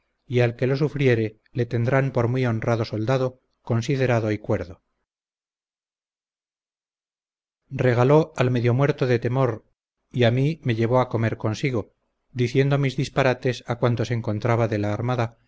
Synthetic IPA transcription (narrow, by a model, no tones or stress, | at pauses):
ialke̞lo̞sufɾje̞ɾe̞ | le̞t̪e̞nd̪ɾampo̞ɾmwio̞nraðo̞so̞ld̪aðo̞ | ko̞nsiðe̞ɾaðo̞ikwe̞ɾðo̞ | re̞ɣ̞alo̞alme̞ðjo̞mwe̞ɾt̪oðe̞t̪e̞mo̞ɾ | iamime̞ʝe̞βo̞ako̞me̞ɾko̞nsiɣo̞ | d̪iθje̞nd̪omizðispaɾat̪e̞sakwant̪o̞seŋko̞nt̪ɾaβaðe̞laːɾmaða